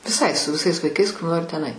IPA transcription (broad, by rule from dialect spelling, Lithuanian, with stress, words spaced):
ʋʲɪˈsɐɪ sʊ ʋʲɪˈsɐɪs ʋɐɪˈkɐɪs kʊr ˈnoːrʲɪ tʲɛn ɐɪ